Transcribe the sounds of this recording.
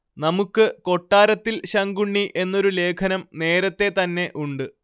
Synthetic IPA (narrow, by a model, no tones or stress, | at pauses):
nɐmukːɨko̞ʈːaːɾɐt̪ːilɕɐŋɡuɳːiʔe̞nːo̞ɾule̞ːkʰɐnɐmne̞ːɾɐt̪ːe̞t̪ɐnːe̞ʔuɳɖɨ